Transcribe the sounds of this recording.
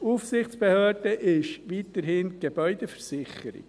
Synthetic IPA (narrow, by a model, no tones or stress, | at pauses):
uːfsɪχt͡spehøːd̥əʔɪʃʋiːtəɾhɪːnɡ̥eb̥œʏd̥efəɾsɪχəɾɪ̰k